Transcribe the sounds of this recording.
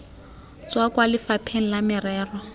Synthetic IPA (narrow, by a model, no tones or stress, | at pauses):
t͡swakʼwalɪfapʰeŋ̩lamɪrɛːrɔ